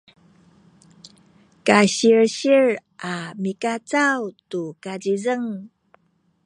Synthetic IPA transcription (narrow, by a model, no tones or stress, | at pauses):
kaɕiɹɕiɹʔamikat͡sawtukad͡ʑizəŋ